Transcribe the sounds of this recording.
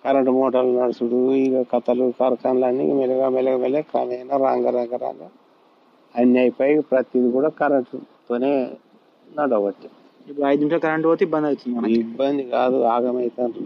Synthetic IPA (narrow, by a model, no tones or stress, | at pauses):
kɐɾɐɳʈmɔːʈɐɾlunɐɽɐsuɽuiɡɐkɐt̪ɐlukɐɾkaːnlɐnːḭmɛlɐɡamɛlɐɡɐmɛlekɐ̰mɐjnaɾaːŋɡaɾaːŋɡɐɾa̰ːŋɡa | ɐnːaːjipɐjpɾɐt̪jid̪ikuːɽaːkɐɾɐɳʈt̪oːneː | nɐɽɐʋɐʈ̪ːi | ipːuɐjd̪nimt͡ʃɐkɐɾɐɳʈbot̪uibːɐnd̪ɐjut̪und̪imɐnɐibːɐnd̪ikaːd̪uaːɡɐmɐjt̪ɐnu